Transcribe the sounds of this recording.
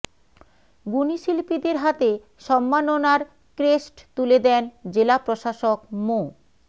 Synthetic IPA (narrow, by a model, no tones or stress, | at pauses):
ɡuniʃilpid̪eɾɦat̪e | ʃɔmːanonaɾ | kɾesʈt̪uled̪ɛnd͡ʑelapɾoʃaʃokmo